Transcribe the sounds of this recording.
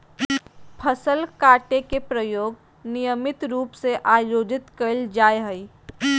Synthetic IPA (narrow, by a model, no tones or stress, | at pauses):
pʰəsəlkaːʈekepɾəjoːɡ | nɪjəmɪt̪ɾuːpseʔaːjoːd͡ʒɪt̪kəld͡ʒaːeɦəi